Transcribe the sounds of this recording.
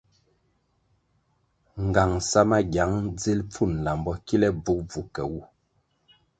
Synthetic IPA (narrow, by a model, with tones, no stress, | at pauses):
ŋ˨ɡa˨ŋsa˦ma˦ɡja˨˦ŋd͡zi˦lp͡fu˦˨n˨la˨mbɔ˦ki˦lɛ˦b͡vu˨˦k̚b͡vu˨˦kɛ˨wu˦˨